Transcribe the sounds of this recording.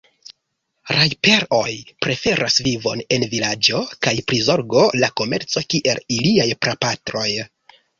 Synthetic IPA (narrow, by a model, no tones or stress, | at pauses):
ɾajpe̞ɾo̞jpɾe̞fe̞ɾʔasvivo̞̰ne̞nvilad͡ʒo̞kajpɾizo̞ɾɡo̞lako̞me̞ɾt͡so̞kiʔe̞liliajpɾapatɾo̞j